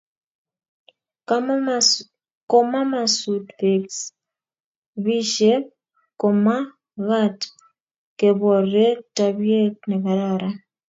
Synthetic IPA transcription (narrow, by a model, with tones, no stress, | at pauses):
kɔ˦ma˦ma˨sutfe˨ks | βi˦ʃe˦ | kɔ˨ma˦ | ɣa˦t | ke˨βɔ˨ɾe˦taβje˦tnɛ˨ka˨ɾaɾa